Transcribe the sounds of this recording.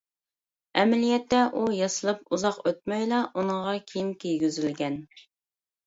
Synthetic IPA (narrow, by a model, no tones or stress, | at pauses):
ɛmɛlijɛt̪ːɛʔujɑsɨlˠɨpuzɑqøt̪̚mɛjlˠɑʔunəŋʁɑkʲʰeijimkʲijɡʲyzylɡʲɛn